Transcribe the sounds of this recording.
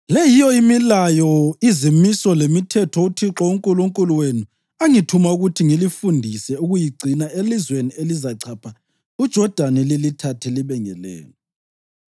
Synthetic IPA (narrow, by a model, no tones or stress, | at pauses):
lɛjijɔimilajɔizimisɔlemitʰɛtʰɔutʰiǁɔuŋkʼuluŋkʼuluwenu | aŋitʰumauɣutʰiŋilifundʱisɛuɣujiɡ͡ǀʱinaelizwenielizaǀʰapʰa | ud̥ʒ̥ʱɔd̥ʱanɛlilitʰatʰɛliβɛŋɛ̰lɛ̰ːlɔ